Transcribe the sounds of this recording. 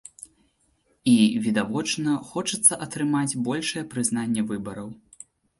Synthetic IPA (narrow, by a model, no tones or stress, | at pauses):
ivʲid̪avɔt͡ʂnɐxɔt͡ʂɐt̪sːɐʔɐt̪ɾɨmad͡zʲbɔlʲʂɨjɛpɾɨznanʲːɛvɨbɐɾɐw